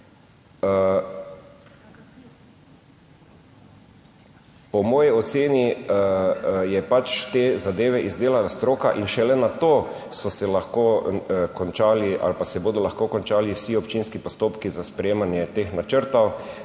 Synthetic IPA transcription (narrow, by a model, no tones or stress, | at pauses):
pɔmɔːjiɔt̪seːni | jɛpat͡ʃt̪eːzad̪eːʋɛʔizd̪eːlalast̪ɾoːkaʔinʃɛlɛnat̪oː | sɔsɛlaxkoːkɔnt͡ʃaːliʔa̰lpasɛboːd̪ɔlaxkoːkɔnt͡ʃaːliwsiɔpt͡ʃinskipɔst̪oːpkizaspɾɛjeːmanjɛt̪eːxnat͡ʃəɾt̪ɔw